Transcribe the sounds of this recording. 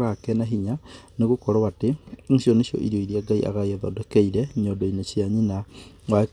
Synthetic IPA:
ɣakɛnaɦiɲaneɣokɔɾawateŋ̩ʃjɔneʃjɔ̰ʔiɾjoiɾiaɡaiʔa̰ɣaiɛðɔ̰dɛkɛiɾɛɲɔdɔinesjaɲina | wa

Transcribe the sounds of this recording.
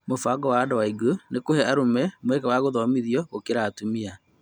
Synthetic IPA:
mofaɡɔwaːdɔwaiɡonekohɛaɾomɛmwɛkɛwaɣoðɔmiðjɔɣokeɾaːtumia

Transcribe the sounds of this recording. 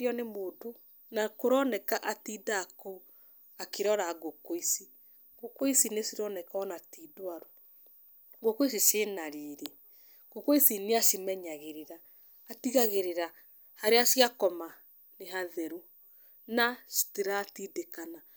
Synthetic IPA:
ɔnemoːto | nakoɾɔnɛkaʔatiːdaːkou | akeɾɔɾaɡokoisi | ɡ̥okoisinesiɾɔnɛkaɔnatiːdoaɾo | ɡokois̬iʃenaɾiːɾe | ɡ̥okoisineaʃimɛɲaɣeɾeɾaː | tiɣaɣeɾeɾa | haɾeaʃiakɔma | neɦaðɛɾu | nasi̥teɾaːtiːdekana

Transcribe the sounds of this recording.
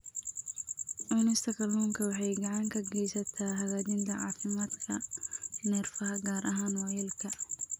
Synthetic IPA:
ʔɔːnɛst̪ʰɐkʰɐluːŋkʰɐwɑħɑjɡɐʕɑŋkʰɐɡɛjsɐt̪ʰaːɦɐɣaːd̪ɪnt̪ʰɐʕɑːfɪmaːd̪kʰɐnɛrfɐɦɐɡaːɾʔɐɦaːnwɔjɛːlkʰɐ

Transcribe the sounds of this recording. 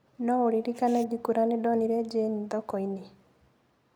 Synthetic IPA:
nɔoɾiɾikanaɡikuɾanedɔniɾɛd͡ʒenidɔkɔine

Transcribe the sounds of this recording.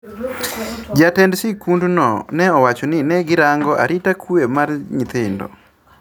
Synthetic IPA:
d͡ʒatɛndsɪkundnɔ̰nɛɔwat͡ʃɔnɪnɛɡɪɾaŋɡɔʔa̰ɾɪtakʰwemarɲit̪ɪndɔ̰

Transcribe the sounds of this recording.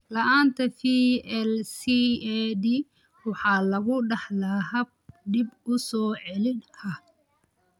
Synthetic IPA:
lɐʔaːnt̪ʰɐfiːɛlsiɛd̪i | wɑħɑːlɐɣʊɖɑħlɐɦɐbdɪbʊsɔːʕɛlɪnɐ

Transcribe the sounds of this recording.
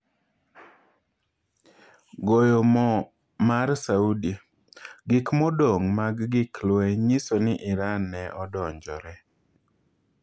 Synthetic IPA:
ɡojomɔ | marsaudi | ɡɪkmɔdoŋmaɡɡɪklweɲɪsonɪʔɪɾanɛʔɔdɔɲd͡ʒɔ̰ɾɛ

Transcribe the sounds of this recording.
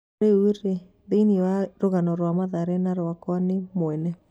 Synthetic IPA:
euɾe | beiniɔaɾoɣanɔɾwamaðaɾɛnaɾoakɔnɪmwɛnɛ

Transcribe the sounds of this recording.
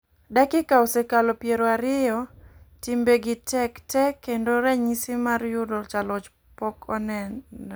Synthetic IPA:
dakɪkaosekalɔpjeɾoaɾɪjɔtimbeɡɪtɛktɛkendoɾɛɲisɪmarjʊdɔt͡ʃalɔt͡ʃ | pɔkʰɔnɛn

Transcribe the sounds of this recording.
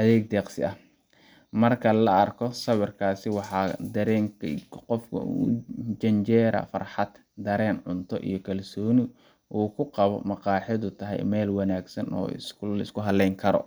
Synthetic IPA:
ʔɐðɛːɡ̚d̪ɛːqsɪ̰ɐh | mɐrkʰɐlɐʔɐrkʰɔsɐwɪrkʰaːsɪwɑħɑːd̪ɐɾɛːŋqɔfkʰɐ̰ | t͡ʃɐnt͡ʃɛːɾɐ̰fɐ̰rħɑd̪̥ | d̪ɐɾɛːnʕʊnt̪ʰɔ̰ʔḭjɞkʰɐlsɔːnɪ | ʔuːkʰʊqɑβɔ̰mɑqɑːħjɪðʊt̪ʰɐɦɛ̰jmɛːlwɑnaːɡsɐnɔ̰ːɪ̰sɐɪskʰʊɦɐlːɛjŋkʰɐɾɔ̰

